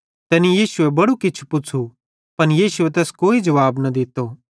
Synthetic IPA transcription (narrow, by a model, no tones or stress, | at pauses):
t̪ɛːnijiːsʊebɐɽukɪt͡ʃʰu̥pʊt͡sʰu | pɐnjiːsʊet̪ɛːskoːid͡ʒɐʋaːbnɐd̪ɪt̪oː